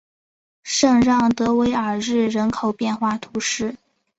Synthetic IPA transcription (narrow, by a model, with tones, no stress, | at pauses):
ʂɤ˥˧ŋɻɑ˥˩ŋt̪ɤ˧˥we˧˥ɪə˞˨˩ɻɻ̩˥˩ɻə˧˥nkʰo˨˩ʊpjɛ˥˧nxwa˥˩t̪ʰu˧˥ʂɻ̩˥˩